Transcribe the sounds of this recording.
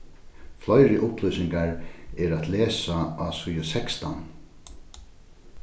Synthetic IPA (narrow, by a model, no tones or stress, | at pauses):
flɔjɾɪʔʊplœsɪŋkaɹɛɾat̪lɛːsaasujɔsɛkst̪a̰n